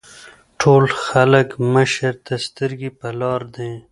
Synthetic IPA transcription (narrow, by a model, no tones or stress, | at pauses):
ʈʰoːlxɐləkməʃəɾt̪ast̪əɾɡipɐlɑːɾd̪ẽː